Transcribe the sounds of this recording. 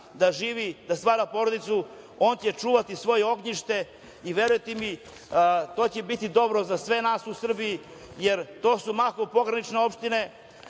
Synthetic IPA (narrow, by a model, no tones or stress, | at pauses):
d̪aʒiːʋid̪ast̪ʋaːɾapo̞ɾod̪it̪su | o̞ːnt͡ɕet͡ʃuːʋat̪isʋo̞jeo̞ɡɲiʃt̪e̞ | iʋe̞ɾujet̪imi | t̪oːt͡ɕebit̪id̪o̞bɾozasʋe̞naːsusr̩biji | jeɾt̪o̞ːsumakopo̞ɡɾanit͡ʃne̞o̞pʃt̪ine̞